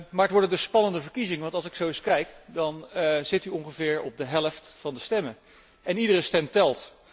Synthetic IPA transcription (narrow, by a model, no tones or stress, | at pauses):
maːɹətʋɔɹdəndɵsspɑnəndəvəɹkizɪŋəʋɑntɑlˠsɪksowɪskɛjkdɑnz̥ɪtyɔŋχəvɪːɹɔ̰b̚dəɦɛləftfɑndəstɛmə | ɛnidərəstɛmtɛlˠt